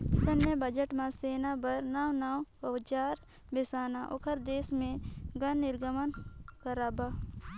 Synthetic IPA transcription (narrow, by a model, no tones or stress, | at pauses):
sənjəbəd͡ʒəʈmãseːnabəɾnaːwnaːwəʋt͡ʃaːɾ | besaːnaʔo̰kʰəɾd̪eːsmẽɡənːɪɾɡəmənkəɾaːbaː